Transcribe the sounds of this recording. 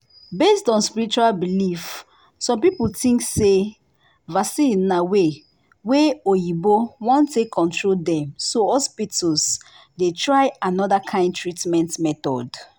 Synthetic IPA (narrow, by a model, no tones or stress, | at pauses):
bestɔ̃nspiɹit͡ʃualbilif | sɔ̃mpipultĩŋkse | vasinawe | weojibowɔ̃ntːekʰːɔ̃ntʰɹoldɛ̃msohɔspitʰɔls | detɹaɪanɔðakʰãɪ̃ndtʰɹitmɛ̃ntmɛθɔ̰d